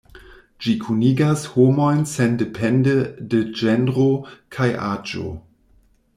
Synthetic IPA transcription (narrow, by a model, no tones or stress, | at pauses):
d͡ʒikʰuniɡashomo̞jnsendepʰendeded͡ʒenɾokʰaja̰d͡ʒo̰